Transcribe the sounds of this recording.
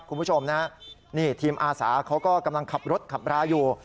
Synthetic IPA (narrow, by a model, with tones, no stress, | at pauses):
kʰu˧npʰu˥˩t͡ɕʰo˧mna˦˥niː˥˩t̪ʰiː˧mʔaː˧sa̰ː˩˦kʰa˦˥wkɔː˥˩ka˧mla˧ŋkʰa˨˩p̚ɾo˦˥t̪̚kʰa˨˩p̚ɾaː˧juː˧